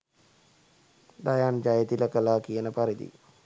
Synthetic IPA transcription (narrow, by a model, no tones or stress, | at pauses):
d̪ajaːnd͡ʒajet̪iləkəlaːkijənəpaɾid̪ḭ